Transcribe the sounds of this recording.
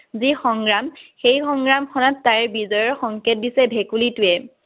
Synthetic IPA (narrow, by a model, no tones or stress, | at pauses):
zixɔŋɡɹamxejxɔŋɡɹamkʰɔnatːaɹbizɔjɔɹxɔŋket̚disɛbʱekulituɛ